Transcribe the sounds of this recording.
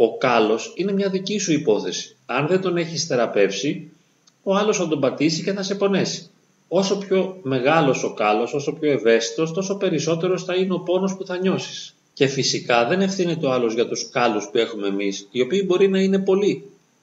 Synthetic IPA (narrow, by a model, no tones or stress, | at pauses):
o̞kɐlo̞sine̞mɲɐðicisuipo̞θe̞si̥ɐnðe̞nd̪o̞ne̞çisθe̞ɾɐpe̞fsi | o̞ɐlosθɐd̪o̞mbɐt̪isice̞θɐse̞po̞ne̞si̥ | o̞so̞pço̞me̞ɣɐlo̞so̞kɐlo̞so̞so̞pço̞e̞ve̞st̪i̥t̪o̞st̪o̞so̞pe̞ɾiso̞t̪e̞ɾo̞sθɐineo̞po̞no̞spuθɐɲo̞si̥s | ce̞fisikɐðe̞ne̞fθinet̪eo̞ɐlo̞zʝɐt̪uskɐluspue̞xume̞ːmisio̞piːbo̞ɾinɐine̞po̞li